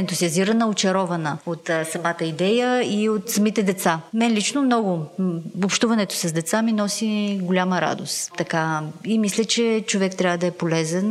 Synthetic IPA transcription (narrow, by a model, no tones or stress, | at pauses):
ɛnt̪ʊziɐziɾənəot͡ʃɛɾɔvɐnəot̪sɐmat̪əid̪ɛjəiot̪sɐmit̪ɛd̪ɛt̪samɛnlit͡ʃnomnɔɡʊopʃt̪uvɐnɛt̪o̥sɐzd̪ɛt̪saminɔsiɡʊlʲaməɾa̰d̪ost̪t̪ːɐkaimislʲət͡ʃɛt͡ʃovɛkt̪ɾʲavəd̪ɐɛpolɛzɛn